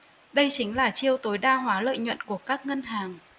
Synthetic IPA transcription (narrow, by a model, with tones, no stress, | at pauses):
ɗə˧jt͡ɕï˨˦ŋ̟laː˨˩t͡ɕi˧əwt̪o˨˦jɗaː˧ɦwaː˨˦lə̰ː˧˨jɲwə̰˧˨nku˧˩əkaː˦˥k̚ŋə˧nɦaː˨˩ŋ